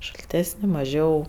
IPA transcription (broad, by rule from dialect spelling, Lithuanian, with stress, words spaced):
ʃɐlʲˈtʲæːsʲnʲɪ mɐˈʒʲɛʊ